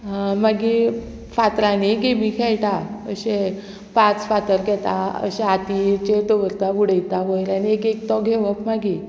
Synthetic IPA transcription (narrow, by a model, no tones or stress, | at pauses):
maɡi | fat̪ɾaniɡemikʰɛɭʈaəɕe | pãt͡sfat̪əɾkɛt̪aə̰ɕeat̪it͡ɕet̪oʋəɾt̪aʋuɽəjt̪aʋojɾaniekek̚t̪ɔɡʱeʋəpmaɡi